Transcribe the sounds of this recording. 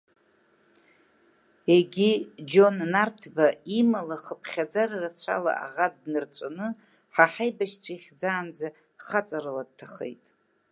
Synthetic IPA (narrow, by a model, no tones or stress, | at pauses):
eɡʲid͡ʒonːartʰbaimalaχəpʰχʲad͡zararat͡ɕʷʰa̰la̰ʔa̰ʁadnɨrt͡sʷʼanɨ | ħaħajbaʃt͡ɕʷʰaiχʲd͡zaːnd͡za | χat͡sʼaɾɨlad̚tʰaχḛjtʼ